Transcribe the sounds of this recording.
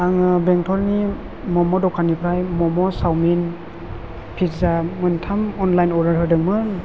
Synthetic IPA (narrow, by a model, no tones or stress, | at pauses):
aŋɯbeŋtʰɔɾni | mɔmɔdɔkʰanipʰɾajmɔmɔsawmin | pʰitzamɯntʰamɔnlajnɔɾaɾɦɯdɯŋmɯ